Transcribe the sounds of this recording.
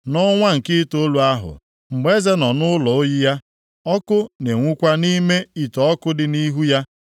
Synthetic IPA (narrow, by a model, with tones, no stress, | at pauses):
nɔ˦ŋʷa˦ŋ̩˨kɪ˦to˦lu˨a˦ɦʊ̰˨ | ŋ͡m̩˨ɡ͡be˦ze˦nɔ˨nʊ˦lɔ˨o˦ji˦ja˦ | ɔ˦kʊ˦ne˨ŋʷʊ˦kʷa˦ni˦me˦i˨tɔ˨ɔ˦kʊ˦dɪ˦ni˦ɦu˦ja˦